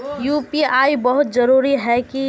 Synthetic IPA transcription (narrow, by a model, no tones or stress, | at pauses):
jupiaibəɦʊt̪d͡ʒəɾuɾiɦɛki